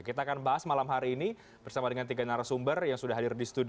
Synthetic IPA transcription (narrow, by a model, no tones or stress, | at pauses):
kit̪aːkanbaɦasmalamɦaɾiːni | b̥ərsamadəŋant̪iɡanaɾasumbərjaŋsudaɦadɪrdist̪ud